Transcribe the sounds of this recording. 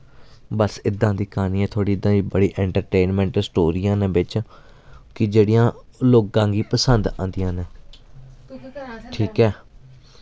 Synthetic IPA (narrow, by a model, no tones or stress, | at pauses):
bəsɪd̪ãːd̪iːkaːnĩːɛ̃ːt̪ʰoːɽiːɪd̪ãːiːbəɽiːʔɛ̃ːɳʈəɾʈeːnmɛ̃ːɳʈsʈoːɾiːãːnẽːbɪt͡ʃ | kɪd͡ʒeːɽijãːloːkːãːɡiːpəsənd̪ã̰ːnd̪ijãːnẽː | ʈʰiːkɛː